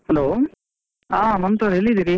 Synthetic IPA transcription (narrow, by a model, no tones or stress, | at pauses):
hɐloː | aːmɐnt̪oɾelːid̪iɾi